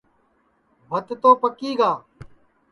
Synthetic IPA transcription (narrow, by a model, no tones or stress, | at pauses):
bʱət̪t̪oːpəkiːɡaː